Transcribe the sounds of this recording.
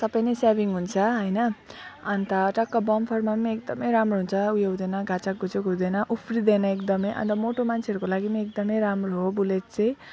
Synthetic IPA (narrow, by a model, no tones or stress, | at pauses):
sʌbʌjnesabiŋɦunt͡sʰʌɦʌjnʌʌnt̪ʌʈʌkːʌbʌmpʰʌrmameek̚d̪ʌmʌjɾamroɦunt͡sʰʌujʌud̪enʌɡʱat͡sakːut͡sekuwd̪enʌʔupʰrid̪enʌekd̪ʌmʌjʔʌ̰nt̪ʌmoʈomant͡sʰeʌɾukolaɡimeek̚d̪ʌmʌjɾamroɦobulet̪̚t͡sʌj̃